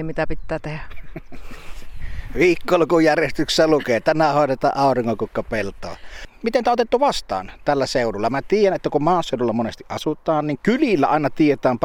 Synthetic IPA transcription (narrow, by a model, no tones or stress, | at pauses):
mit̪æpit̪ːæːt̪ehæ | ʋiːkːolukujærjest̪ykssælukeːt̪ænæhoˑetet̪ɑ̰ːʔʔɑˑoriŋːokukːɑpelt̪ˑo̰ːmit̪ent̪æʔot̪et̪ːuʋɑst̪ɑ̰ːnt̪ælːæseˑuɾulːɑmnæt̪iːjænet̪ːækummɑːsːˑeˑouɾulːɑmonest̪iʔʔɑsut̪ˑɑːnniŋkylilːæ̰ɑˑenɑt̪iet̪æːmp